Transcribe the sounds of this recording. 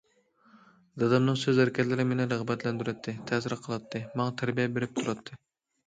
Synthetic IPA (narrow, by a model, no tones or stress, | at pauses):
d̪ɑd̪ɑmnɨŋsøzæɾɪkʲʰɛt̪lɪɾɪmenɪɾəʁbɛt̪lɛnd̪yɾɛt̪ʰːɪt̪ʰɛsɪɾqʰəlˠɑt̪ʰːɨmɑŋɑt̪ʰæɾbijɛbeɾɪp̚t̪ʰuɾɑt̪ʰːɨ